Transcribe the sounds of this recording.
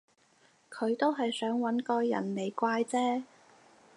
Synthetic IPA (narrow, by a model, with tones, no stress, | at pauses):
kʰɵ˨˧ɥt̪o˥wɦɐ˨jsœː˨˥ŋwɐ˨˥nkɔː˧jɐ̰˨˩nle˨˧jkʷaː˧jt͡sɛː˥